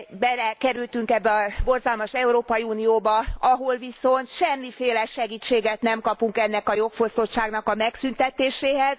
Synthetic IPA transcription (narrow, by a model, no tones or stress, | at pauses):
bɛlɛkɛɾylt̪yŋkɛbːɛɒbo̞rzɒlmɒʃɛuɾoːpɒjiuːnijoːbɒɒɦolviso̞nt̪ʃɛmːifeːlɛʃɛɡiːt͡ʃːeːɡɛt̪nɛmkɒpuŋkɛnːɛkɒjo̞kfo̞st̪o̞t̪ʃaːɡnɒkɒmɛksynt̪ɛt̪eːʃeːɦɛz̥